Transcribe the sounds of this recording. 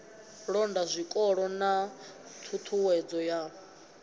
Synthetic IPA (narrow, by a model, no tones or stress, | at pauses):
ɺɔndazʷikʼɔɺɔnat̪ʰut̪ʰuwɛd͡zɔja